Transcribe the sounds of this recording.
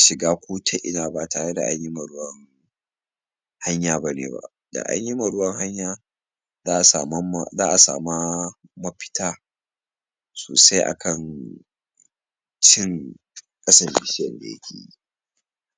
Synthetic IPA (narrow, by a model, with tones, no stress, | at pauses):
ʃɪ˨ɡaː˦kʷoː˦tʰa˦ʔɪ̰˦naː˨ba˦taː˨ɽe˦da̰˨ʔa˦ɲji˦mɐ˨ɽʊ˦wɐ˦ŋ | ha˦ɲjaː˦ba˦nḛː˨ba̰˦˨ | da̰˨ʔa̰˦ɲji˦ma˨ɽʊ˦wɐ˦ŋha˦ɲjaː˦ | zaː˦ʔsa˨m˦zaː˦ʔa˨sa̰ː˨ma˦mɐ˦ɸɪ̥˦tʰaː˦ | soː˨sa˦jʔa̰˨kʰɐ˨n | t͡ʃɪ˦ŋ | kʼɐ˦sɐ˨mbi˨˦ʃɪ˦jɐ˨nda̰˨ja̰˦kʲʰḛː˨jḭ˦